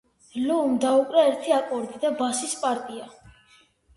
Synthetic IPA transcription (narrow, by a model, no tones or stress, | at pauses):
luumd̪aukʼɾɛɛɾt̪ʰiakʼɔɾd̪id̪abasispʼaɾt̪ʼia